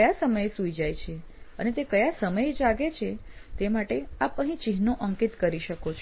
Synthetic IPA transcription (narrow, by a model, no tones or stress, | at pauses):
jasəməjesuid͡ʒajt͡ʃʰeə̰net̪ekəjasəməjd͡ʒaɡet͡ʃʰet̪emaʈeapəɦĩt͡ʃiɦnoʔəŋkit̪kəɾiʃəkot͡ʃʰ